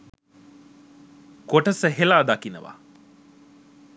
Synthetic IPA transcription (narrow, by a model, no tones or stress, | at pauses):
koʈəsəɦelaːd̪akinə̰ʋa̰